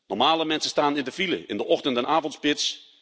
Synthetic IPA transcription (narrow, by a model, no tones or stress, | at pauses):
nɔmaːlˠəmɛnsəstaːnɪndəfilə̰ʔɪ̰ndəʔɔxtəntɛnʔaːvɔntspɪts